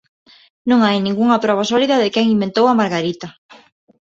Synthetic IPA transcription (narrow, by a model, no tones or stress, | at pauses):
nũŋajnĩŋɡuŋɐpɾɔβ̞asɔliðɐðɪkɛŋimbẽnt̪owɐmaɾɣaɾit̪ɐ